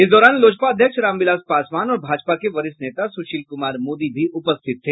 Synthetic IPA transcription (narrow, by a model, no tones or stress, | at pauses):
ɪsd̪ɔːɾaːnloːd͡ʒpaəd̪ʱjəkʃɾãːmʋɪlaːspaːsʋaːnɔːɾbʱaːd͡ʒpakeʋɐɾɪsneːt̪asʊʃiːlkʊmaːɾmoːd̪ibʱiʔʊpəst̪ʰɪt̪ːʰeː